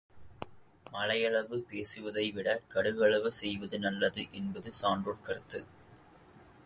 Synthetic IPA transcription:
mɐlɐjɐɭɐʋɯpeːsɯʋɐðɐɪʋɪɽɐkɐɽɯʋɐɭɐʋɯsɛjʋɐðɯnɐlːɐðɯʔɛnbɐðɯsaːndrɔɭkɐɾɯt̪ːɯ

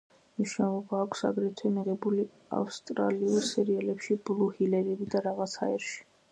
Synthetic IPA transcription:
mniʃnalˠɔbaːkʷʰsa̰ɡɾɛt̪ʰwɛmiʁɛbuli | a̰fst̪ʼɾa̰liɔlsɛɾialɛpʃiblˠuhilɛɾɛbid̪aɾaʁat̪sʰha̰ɛɾʃi̥

